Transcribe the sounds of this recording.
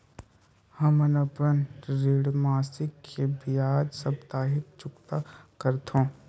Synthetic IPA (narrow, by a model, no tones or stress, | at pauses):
hɐmɐnɐpɾə̃nɾeːɽmaːsɪkːebʱiaːd͡ʒsɐb̚t̪aːɦɪk̚t͡ʃʊkt̪akəɾt̪õː